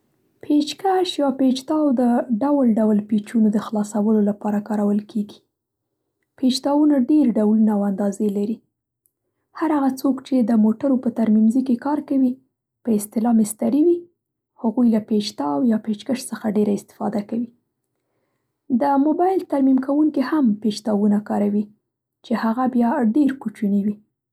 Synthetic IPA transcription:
pʰet͡ʃkaʃjɑpet͡ʃt̪ɑwd̪əɖawlɖawlpet͡ʃunod̪əxlɑsawəlolapɑɾakɑɾawəlkʰeɡi̥ | pet͡ʃt̪ɑwunaɖeɾɖawlunaːwand̪ɑzelaɾi | haɾaɣat͡sokt͡ʃed̪əmoʈaɾopət̪aɾmimzikekɑɾkawi | pəɪst̪ɪlɑmɪst̪aɾiwi | haɣujlapet͡ʃt̪ɑwjɑpet͡ʃkəʃsəxaɖeɾaɪst̪ɪ̥fɑ̰d̪akawi | d̪əmobɑjɪlt̪aɾmimkawuŋkihampet͡ʃt̪ɑwunakɑɾawi | t͡ʃehaɣabjɑɖeɾkut͡ʃuniwi

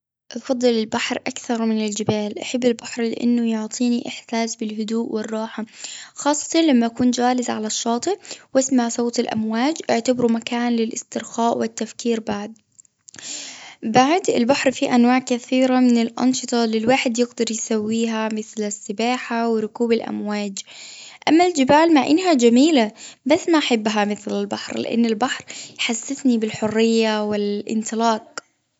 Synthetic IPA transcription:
ʔɑfɑd̪ˤːɨlɪlbaħɾʔakθɑɾˤmɪnɪld͡ʒɪbaːlʔaħabːɪlbaħɾlɪ̰ʔa̰nːʊjʊʕt̪ˤʰiːniʔɪħsaːsbɪlɦʊd̪uːʔwɪrˤːɑːħaxɑːsˤːɑ̥t̪ɑnlamːaʔakuːnd͡ʒaːlɪzʕalaʃːɑːt̪ˤɨʔwʔasmaʕsˤɑwt̪alʔa̰mwaːd͡ʒʔɪʕt̪abɾumakaːnlɪlʔɪ̰st̪ɪɾxaːʔwɪt̪ːafkiːɾbaʕd̪̚ | baʕd̪ɪ̰lbaħɾfiʔanwaːʕkaθiːɾamɪnɪlʔɑ̰nʃɨt̪ˤɑlɪlwaːħɪd̪jɪɡd̪ɑɾˤjsawːiːɦamɪθlɪsːɪbaːħawɪɾʊkuːbalʔa̰mwaːd͡ʒʔamːald͡ʒɪbaːlmaʕʔɪnːɦad͡ʒamiːlabasːmaʔaħabːɦamɪθlalbaħɾlɪ̰ʔa̰nːɪlbaħɾjħasːɪθnibɪlħʊrːɪjːawɪlʔɪ̰nt̪ɨlɑːq̚

